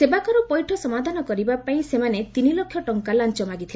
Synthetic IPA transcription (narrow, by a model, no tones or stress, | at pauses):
sebakɔɾupɔjʈʰɔsɔmad̪ʱanɔkɔɾibapaĩsemanet̪inilokʰjɔʈɔŋkalant͡ʃɔmaɡit̪ʰil